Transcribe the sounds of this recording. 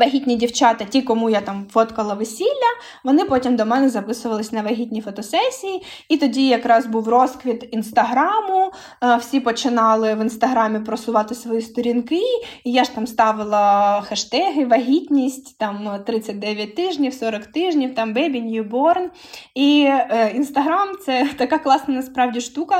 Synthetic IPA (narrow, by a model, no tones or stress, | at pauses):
ʋɐɦʲitʲnʲidʲiwt͡ʃɑt̪ɐtʲikɔmujat̪ɑmfɔt̪kɐlˠɐʋɪsʲilʲːɐ | ʋɔnɪpɔtʲimd̪ɔmɛnɛzɐpɪsʊʋɐlˠɪsʲnɐʋɐɦʲitʲnʲifɔt̪ɔsɛsʲiji | it̪ɔdʲijɐkɾɑzbuwrɔskʋʲit̪inst̪ɐɦɾɑmʊ | wsʲipɔt͡ʃɪnɑlˠɪʋɪnst̪ɐɦɾɑmʲɪpɾɔsʊʋɑt̪ɪsʋɔjist̪ɔɾʲinkɪːjaʒt̪ɑmst̪ɑʋɪlˠɐxɐʃt̪ɛɦɪʋɐɦʲitʲnʲisʲtʲt̪ɑmt̪ɾɪt͡sʲːɐt̚ʲd̪ɛʋʲjɐt̚ʲt̪ɪʒnʲiwsɔɾɔkt̪ɪʒnʲiwt̪ɑmʋɛbʲinʲjubɔrn | iinst̪ɐɦɾɑmt̪sɛt̪ɐkɑklˠɑsnɐnɐspɾɑwdʲiʃt̪ukɐ